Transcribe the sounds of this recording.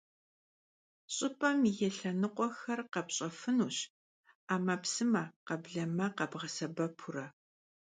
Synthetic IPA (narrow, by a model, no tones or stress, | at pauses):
ɕʼɪpʼɐmijɛɬɐnɨqʷʼɔxɐrqɐpɕʼɐfɨnuːɕ | aːmɐpsɨmɐqɐbɮɐmɐqɐbʁɐsɐbɐpʰuɾɐ